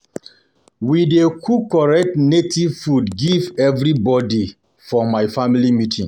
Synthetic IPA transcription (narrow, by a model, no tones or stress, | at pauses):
widekʰukɔɹɛk̚tnetʰiv̥fudɡivɛvɾibɔdi | fɔmaɪfamilimitʰĩŋ